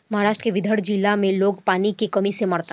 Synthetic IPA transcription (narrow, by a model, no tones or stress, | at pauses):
mɐɦaːɾaːʃʈəkeʋɪd̪ʱəɽd͡ʒilamẽloːɡpaːnikekɐmisemɐɾt̪a